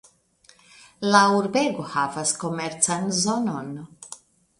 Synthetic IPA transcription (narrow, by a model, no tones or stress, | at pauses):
lauɾbeɡohavasko̞meɾt͡sanzo̞no̞n